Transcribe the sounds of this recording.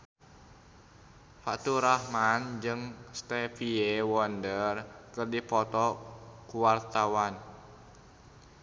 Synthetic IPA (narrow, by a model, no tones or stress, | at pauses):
fat̪uɾahmand͡ʒɨŋst̪ɛfiewɔndərkɨrdipɔt̪ɔkuwart̪awan